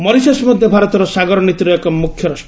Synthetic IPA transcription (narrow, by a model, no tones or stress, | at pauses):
mɔɾisasmɔd̪ʱjɔbʱaɾɔt̪ɔɾɔsaɡɔɾɔnit̪iɾɔekɔmukʰjɔɾɔs